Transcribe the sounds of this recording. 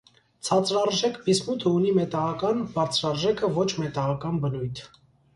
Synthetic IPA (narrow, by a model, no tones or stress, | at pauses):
t͡sʰɑt͡sɾɑrʒɛkʰbismut̪ʰəunimɛt̪ɑʁɑkɑnbɑɾt͡sʰɾɑrʒɛkʰəvɔt͡ʃʰmɛt̪ɑʁɑkɑnbənujt̪ʰ